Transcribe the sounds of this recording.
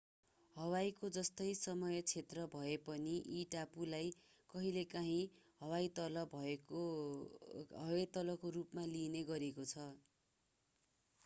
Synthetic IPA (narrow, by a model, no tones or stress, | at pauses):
hʌwajkod͡zʌst̪ʌjsʌmʌjʌt͡sʰet̪rʌbʱʌepʌniʔiʈapulaj | kʌɦilekaɦĩɦʌwajt̪ʌlʌbʱʌo | ɦʌwat̪ʌlʌkorupmalineɡʌɾekot͡sʰʌ